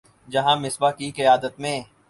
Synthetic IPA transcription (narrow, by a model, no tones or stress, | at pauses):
d͡ʒɐɦãmɪsbakiqɪjaːd̪ət̪mẽː